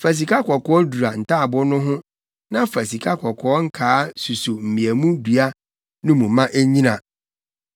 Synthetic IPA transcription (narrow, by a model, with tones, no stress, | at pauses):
fæ˨s̬i˨kʰa˦kʰɔ˨kʰɔ˦ɔ˦du˨a˨n̩˨tʰa˦˨bʊ˦nʊ̃˦ɦʊ̃˦ | nã˦fæ˨si˨kʰa˦kʰɔ˨kʰɔ˨ɔ˦ŋ̩˦kʰaː˦su˨su˨m̩˨mĩ˨æ˨mũ˦du˨a˦ | nʊ̃˦mũ˨˦mã˦ʔæ˦ɲĩ˦nã˨